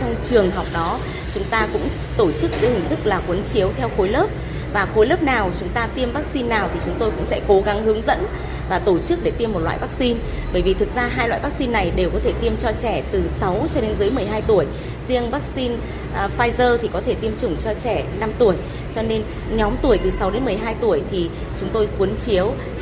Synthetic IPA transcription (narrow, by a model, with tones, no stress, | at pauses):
t͡ɕɔ˧wŋ͡mt͡ɕɨ˨˩əŋɦa˨˩wk͡p̚ɗɔ˨˦ | t͡ɕʊ˨˦ŋ͡mt̪aː˧kʊ̰˧˥ŋ͡m | t̪o˧˩t͡ɕɨ˦˥k̚ɗḛ˨˧˦hï˨˩ŋ̟t̪ʰɨ˦˥k̚laː˨˩kwə˨˦nt͡ɕi˨˦əwt̪ʰɛ˧wxo˨˦jləː˦˥p̚ | vaː˨˩xo˨˦jləː˦˥p̚naː˨˩wt͡ɕʊ˨˦ŋ͡mt̪aː˧t̪i˧əmvaː˦˥k̚si˧nːaː˨˩wt̪ʰi˨˩t͡ɕʊ˨˦ŋ͡mt̪o˧jkʊ̰˧˥ŋ͡msɛ̰˧˥ko˨˦ɣa˨˦ŋɦɨ˨˦əŋzə̰˧˥n | vaː˨˩t̪o˧˩t͡ɕɨ˦˥k̚ɗe˧˩t̪i˧əmːo˨˩t̚lwa̰ː˧˨jvaː˦˥k̚si˧n | ɓəː˧˩jvi˨˩t̪ʰɨ˨˩k̚zaː˧ɦaː˧jlwa̰ː˧˨jvaː˦˥k̚si˧nːa˨˩jɗe˨˩wkɔ˨˦t̪ʰe˧˩t̪i˧əmt͡ɕɔ˧t͡ɕɛ˧˩t̪ɨ˨˩sa˨˦wt͡ɕɔ˧ɗe˨˧nzɨ˨˦jmɨ˨˩əjɦaː˧jt̪u˧˩əj | zi˧əŋvaː˦˥k̚si˧n | faː˧jzəː˧t̪ʰi˨˩kɔ˨˦t̪ʰe˧˩t̪i˧əmt͡ɕʊ˨˧˩ŋ͡mt͡ɕɔ˧t͡ɕɛ˧˩na˧mt̪u˧˩əj | t͡ɕɔ˧ne˧n | ɲɔ˨˦mt̪u˧˩əjt̪ɨ˨˩sa˨˦wɗe˨˦nmɨ˨˩əjɦaː˧jt̪u˧˩əjt̪ʰi˨˩ | t͡ɕʊ˨˦ŋ͡mt̪o˧jkwu˨˦nt͡ɕi˨˦əw